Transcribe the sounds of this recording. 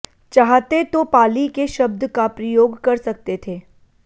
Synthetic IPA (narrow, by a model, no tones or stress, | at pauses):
t͡ʃaːɦt̪et̪opaːlikeʃɐb̚d̪kapɾɐjoːɡkɐɾsɐk̚t̪et̪ʰeː